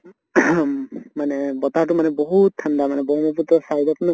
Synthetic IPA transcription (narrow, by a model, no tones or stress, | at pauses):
manɛbɔtatumanɛbɔɦutʰːandamanɛbɔmɔpʰutɔsajdɔpʰn